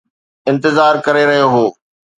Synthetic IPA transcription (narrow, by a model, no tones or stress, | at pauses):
ɪ̃nt̪ɪzaːɾkɐɾeɾɐɦijoɦoː